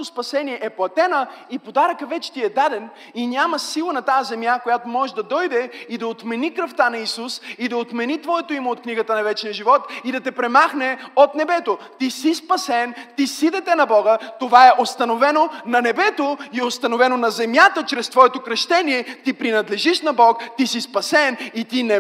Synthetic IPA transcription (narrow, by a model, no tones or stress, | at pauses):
t̪ospɐsɛniɛʔɛplˠɐt̪ɛnəipod̪aɾəkəvɛt͡ʃɛ̥t̪iɛd̪ad̪ɛn | inʲaməsilˠənɐt̪azɛmjakojat̪omɔɛd̪ɐd̪ɔjd̪ɛid̪ɐot̪mɛnikɾɐft̪anɐisusid̪ɐot̪mɛnit̪vɔɛt̪oimoot̪̚kniɡət̪ənɐvɛt͡ʃnijəʒivɔt̪id̪ɐt̪ɛpɾɛmaxnɛot̪nɛbɛt̪ot̪isispɐsɛnt̪isid̪ɛt̪ɛnɐbɔɡət̪ovaɛʔost̪ɐnovɛnonɐnɛbɛt̪oiost̪ɐnovɛnonɐzɛmjat̪ət͡ʃɾɛst̪vɔɛt̪okɾɐʃt̪ɛniɛt̪ipɾinɐd̪lɛʒiʃnɐbɔkt̪isispɐsɛnit̪inɛ